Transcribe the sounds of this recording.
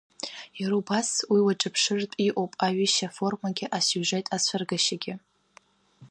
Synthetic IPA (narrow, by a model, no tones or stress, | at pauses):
jaɾubaswiwaʈ͡ʂʼɨpʰʂɨrtʼiʔʼowpʼaɥiʃafo̞rmaɡʲɪʔasuʒejtʼat͡ɕʷʰarɡaʃaɡʲɪ